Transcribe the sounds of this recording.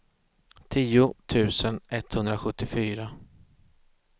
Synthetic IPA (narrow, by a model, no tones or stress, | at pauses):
t̪ʰiːʊt̪ʰʉ̟ːsənɛt̪ːhɵnd̪ɾaɧɵt̪ːɪfyːɾa